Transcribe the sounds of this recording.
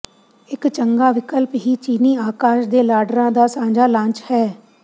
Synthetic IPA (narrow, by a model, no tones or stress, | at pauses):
ɪkt͡ʃəŋɡaːʋɪkəlpɦiːt͡ʃiːniːaːkaːʃd̪eːlaːɖɾãːd̪aːsãːd͡ʒaːlãːɲt͡ʃhɛː